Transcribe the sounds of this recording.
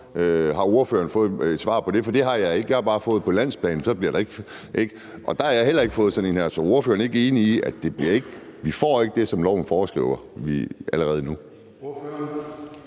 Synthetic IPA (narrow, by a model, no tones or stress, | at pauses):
øɦɑ̈o̝ɐfø̰ːɐn̩fɔ̽ːð̞̩ˠd̥sʋɑ̰̈ːpʰɒ̽d̥e̝fɒd̥e̝ɦɑ̈jɑ̈eɡ̥jɑ̈hɑ̈b̥ɑ̈ːfɔ̽ːð̩ˠpʰɒ̽læn̰spʰlɛ̰ːn̩sɒ̽b̥liɐɾ̥ɑ̈e̝ɡ̥ | ʔeɡ̥ | ʔɒ̽d̥ɑ̈hɑ̈jɑhel̰ɐe̝ɡ̥fɔ̽ːð̞̩ˠsɒ̽nenhæɐ̰sɒ̽o̝ɐføːɐneɡe̝ːniːʔæ̥d̥e̝b̥liɐe̝ɡ̥ʋifɒ̰ːe̝ɡ̥̚d̥e̝sɒ̽mlɒʊn̩fɒːsɡ̥ʁḭʊ̰ɐʋiʔæləʁɛːð̞̩ˠnu